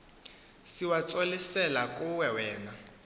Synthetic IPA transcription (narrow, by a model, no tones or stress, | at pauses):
siwat͡sʼolisɛlakʼuwɛwɛːna